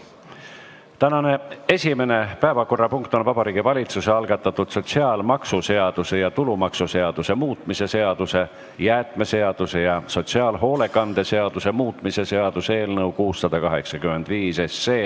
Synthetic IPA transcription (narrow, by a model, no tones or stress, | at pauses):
t̪ænɑne̞e̞sʲime̞ne̞pæevɑko̞rːɑpuŋkt̪ˑo̞nvɑbɑɾiːɡ̥ivɑlʲit̪suseɑlɡ̥ɑt̪ːˑɑt̪ːud̪̥so̞t̪ʲsiɑːlmɑksuse̞ɑd̪̥use̞jɑt̪ulumɑksuse̞ɑd̪̥use̞muːt̪ˑmise̞se̞ɑd̪̥use̞ | jæːt̪ˑme̞se̞ɑd̪̥use̞jɑso̞t̪ʲsiɑːlɦo̞ːle̞kˑɑnd̪̥e̞se̞ɑd̪̥use̞muːt̪ˑmise̞se̞ɑd̪̥use̞ːlnɤukuːsːɑd̪̥ɑkɑɦe̞ksɑkymːˑe̞nd̪̥viːsesːeː